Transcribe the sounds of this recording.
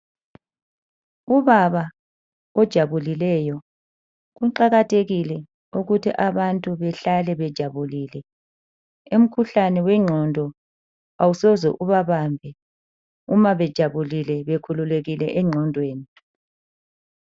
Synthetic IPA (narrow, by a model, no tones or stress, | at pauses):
uβaβa | ɔd̥ʒ̥ʱaβulilɛjɔ | ɣuǃaɣatʰeɣilɛ | uɣutʰḭʔaβantʼuβɛɬalɛβɛd̥ʒ̥ʱaβulilɛ | um̩kʰuɬanɛwɛŋ͡ǀʱɔndʱɔ | awusɔzɛ̰ʔuβaβambʱɛ | umaβɛd̥ʒ̥ʱaβulilɛβekʰululeɣilɛʔɛŋ͡ǀʱɔndʱweːni